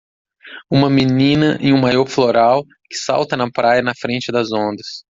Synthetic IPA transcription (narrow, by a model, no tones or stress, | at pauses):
ũmɐminĩnɐʔḛ̃j̃ũmajɔɾfloɾaw | kɪ̥sa̰wt̪ɐnɐpɾajɐnɐfɾẽnt͡ʃɪd̪ɐzõnd̪ɐs